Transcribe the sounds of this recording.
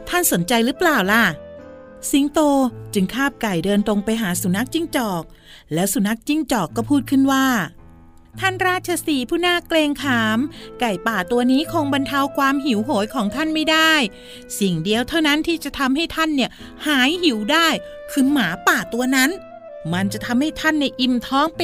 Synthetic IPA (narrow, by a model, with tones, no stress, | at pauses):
t̪ʰa˥˩nso˩˦nt͡ɕa˧jɾɯː˦˥plaː˨˩wla˧˩ | si˧ŋt̪oː˧t͡ɕɯ˧ŋkʰaː˥˩p̚ka˨˩jdɤː˧nt̪o˧ŋpa˧jɦaː˩˦su˨˩˦na˦˥k̚t͡ɕi˥˩ŋt͡ɕɔː˨˩k̚ | lɛː˦˥wsu˨˩˦na˦˥k̚t͡ɕi˥˩ŋt͡ɕɔː˨˩kːɔː˥˩pʰuː˥˩t̪̚kʰɯ˥˩nwaː˥˩ | t̪ʰa˥˩nɾaː˥˩t̪̚t͡ɕʰa˧siː˨˩pʰuː˥˩naː˥˩kleː˧ŋkʰaː˨˩˦mka˨˩jpaː˨˩t̪u˧ɐniː˦˥kʰoː˧ŋba˧nt̪ʰa˧wkʰwaː˧mɦi˩˦wɦoː˩˦jkʰɔː˩˦ŋt̪ʰa˥˩nma˥˩jdaː˥˩j | si˨˩ŋdi˧əwt̪ʰa˥˩wna˦˥nt̪ʰiː˥˩t͡ɕa˨˩t̪ʰa˧mɦa˥˩jt̪ʰa˥˩˨nːi˥˩ɐ | haː˩˦jhi˩˦wdaː˥˩j | kʰɯː˧maː˩˦paː˨˩t̪u˧ɐna˦˥n | ma˧nt͡ɕa˨˩t̪ʰa˧mha˥˩jt̪ʰa˥˩nːa˧jʔi˧mt̪ʰɔː˦˥ŋp